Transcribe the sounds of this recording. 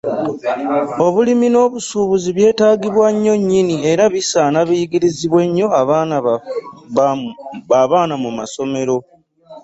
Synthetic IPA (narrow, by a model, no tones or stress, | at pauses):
o̞βulimino̞ːβusuːβuziβje̞ːtaːɡiβwaɲːo̞ɲːinie̞ɾaβisaːnaβijiɡiɾiziβwe̞ɲːo̞aβ | aβaːnamumaso̞me̞ɾo̞